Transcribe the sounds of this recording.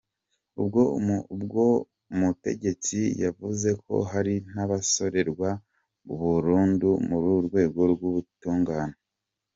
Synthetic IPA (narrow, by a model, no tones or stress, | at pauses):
ubɡo̞bɡo | mute̞̰ɟe̞t͡sijavuze̞kʰo̞̰ɦaɾin̥aβaso̞ɾe̞ɾɡwa | uβuɾuːndumuɾuɾɡwe̞ːɡo̞ɾɡuβutuːŋɡaːne